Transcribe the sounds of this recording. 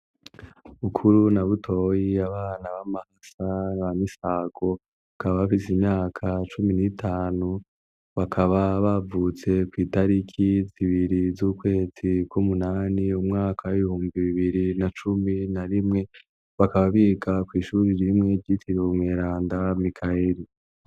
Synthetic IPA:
ukʰuɾunaβutʰo̞jiaβaːnaβamahasaβamisaːɡ̥o̞ | akaβaβafisimɲaːkʰat͡ʃuminitʰaːnu | βakʰaβaβavut͡se̞kwiːtaɾikʰiziβiɾizuːkwe̞ːzikwumunaːniumŋaːkʰawiβihuːmbiβiβiɾinat͡ʃuminaɾimŋe̞ | βakaβaβiːɡakwiːʃuːɾiɾimŋe̞ɟitiɾumŋeːɾaːndamikʰaeɾi

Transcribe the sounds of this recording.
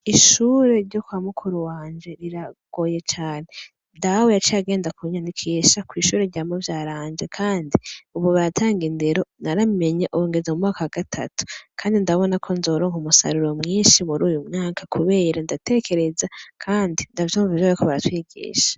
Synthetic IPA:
iʃuːɾe̞ɾɟo̞kwamukʰuɾuwaːnd͡ʒe̞ɾiɾaɡ̥o̞je̞t͡ʃaːne̞ | ndawejat͡ʃiaɡe̞ːndakuɲanikʰiʃakwiːʃuːɾeɾɟaimovjaːɾaːnd͡ʒe̞kʰaːndiuβoβaɾatʰaːŋɡinde̞ɾo̞naɾame̞ɲeʔuɾoːŋɡezamumŋaːkawaɡ̥atʰa̰tu̥kʰaːndindaβo̞nakʰo̞nzo̞ːɾo̞ːŋumusa̰ɾuɾo̞mŋiːnʃimuɾuːjumŋaːkʰakʰuβe̞ːɾandate̞ːkʰe̞ɾe̞zakʰaːndindavjoːɱvavjoβaikoβaɾatwiːɡḭːʃḁ

